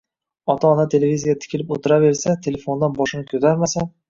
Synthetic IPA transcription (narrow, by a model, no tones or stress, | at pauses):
ɒt̪ʰaːnat̪ʰe̞le̞vʲizijat̪ʰɪ̥kʲʰɪlɪpot̪ʰɪɾave̞ɾsat̪ʰe̞le̞fo̞nd̪anbɒʃɪnɪkʲʰɵt̪ʰaɾmasan